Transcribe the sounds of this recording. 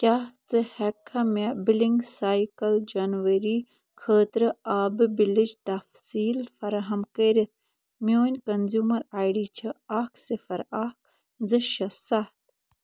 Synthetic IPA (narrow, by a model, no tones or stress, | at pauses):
kʲaht͡sɨhɛkʰːɐmɐbiliŋɡsaːjkɐld͡ʒɐnʋɐɾiː | kʰəːt̪ɾɨaːbɨbilid͡ʒt̪ɐfsiːlfɐɾaɦɐmkəːɾit̪̚ | mʲoːnʲkɐnzjuːmɐɾaːjɖiːt͡ʃʰiakʰsɨfɐɾak̚ | zɨʃɐsaht̪